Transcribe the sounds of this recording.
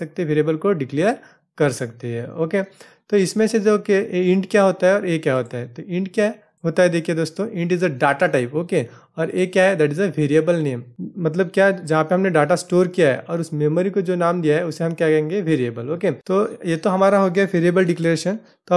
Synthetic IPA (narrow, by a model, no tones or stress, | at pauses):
ɐk̚t̪eʋeːɾiebəlkoɖɪklijəɾ | kɐɾsɐkt̪eɦɛ̃ːoːke | t̪oɪsmẽsed͡ʒoːkeɪ̃ɳʈkjaɦoːt̪aɦɛɔːɾeːkjaɦoːt̪aɦɛt̪oɪ̃ɳɖkja | ɦoːt̪aɦɛd̪eːkʰied̪oːst̪õʔɪ̃ɳɖɪzəɖaːʈaʈaɪpoːke | ɔːɾeːkjaɦɛd̪æːʈ̬ɪzəʋʱeːɾiəbəlneːmmɐt̪ləb̚kjad͡ʒɐɦãpeɦɐmneɖaːʈasʈoːɾkijaɦɛ̰ʔɔːɾʊsmeːmoɾikod͡ʒoːnaːmd̪ijaɦɛʊseɦɐ̃mkjakɐẽːŋɡeʋeːɾiebəloːket̪ojet̪oɦɐmaːɾaɦoːɡjaɦɛʋeːɾiebəlɖɪkleɾeːʃən | t̪o